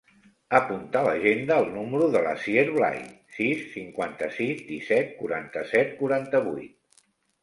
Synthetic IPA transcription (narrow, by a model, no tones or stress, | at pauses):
əpunt̪aləʒend̪əːlˠnuməɾuðələ̰sieɾβla̰j | sisːiŋkwant̪əsizd̪isɛt̪̚kuɾant̪əsɛt̪kuɾant̪əβujt̪̚